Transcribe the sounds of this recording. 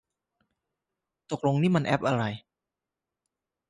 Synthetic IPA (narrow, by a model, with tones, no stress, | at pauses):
t̪o˨˩k̚lo˧ŋniː˦˥˩ma˧nʔɛ˦˥p̚ʔa˧ɾa˧j